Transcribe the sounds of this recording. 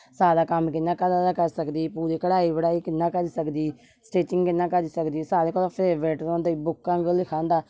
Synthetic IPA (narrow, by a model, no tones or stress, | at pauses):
saːdaːkəmkɪnːaːkəd̪aːd̪aːkəɾsəkd̪iːpuːɾeːkəɽaːiːbəɽaːiːkɪnːãːkəɾiːsəkd̪iː | sʈeːʈɪ̃ŋɡkɪnːãːkəɾiːsəkd̪iːsaːɾeːkɔlːpʰɪɾʋɛːʈəɾõːnd̪aiːbʊkːãːɡəlɪkʰãːnd̪aː